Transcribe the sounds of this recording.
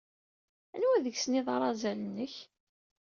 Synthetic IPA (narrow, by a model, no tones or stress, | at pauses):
ænwæðəçsəniðˤɑɾˤɑzælənːəç